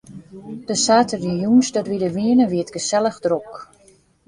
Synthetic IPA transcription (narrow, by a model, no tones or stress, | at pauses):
d̥əsaːtərijunsdɔtʋidəʋiənəʋiətɡəsɛləxdrok